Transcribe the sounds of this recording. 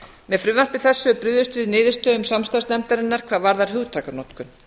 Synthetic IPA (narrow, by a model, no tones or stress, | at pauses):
mɛfɾʏːvan̥pɪ̥θɛsːʏpɾʏððʏst̪vɪðnɪːðɪst̪œʏmsamst̪ansnɛmt̪aɾɪnːaɾ̥kʰvaːðvaɾðaɾ̥ɦʏːwt̪ʰaːkaɾnɔt̪kʏn